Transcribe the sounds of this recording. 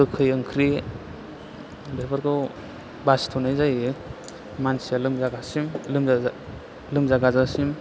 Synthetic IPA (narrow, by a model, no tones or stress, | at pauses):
ɯkʰɯjɯŋkʰɾi | beɾbaɾkɯw | basi̥tʰɔnajzaj | mansijalɯmzaɡasimlɯm | lɯmzaɡazasim